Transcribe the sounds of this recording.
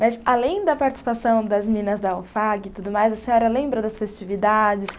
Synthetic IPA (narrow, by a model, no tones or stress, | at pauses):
mɐsalẽj̃d̪ɐpaɾt͡ʃɪ̥si̥pasɐ̃w̃d̪ɐzminĩnɐzd̪ɐofaɡɪt̪ud̪ʊmajzɐsẽɲɔɾɐlẽmbɾɐd̪ɐsfest͡ʃivid̪ad͡ʒɪs